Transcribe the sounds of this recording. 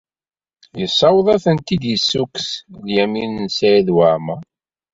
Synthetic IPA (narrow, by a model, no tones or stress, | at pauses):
jəsˤːɑwðˤɑθənt̪id̪jəsːuksljæminnsajiðwaʕma